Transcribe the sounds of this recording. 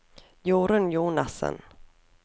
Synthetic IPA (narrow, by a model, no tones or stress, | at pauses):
juːɾənjuːnasə̰n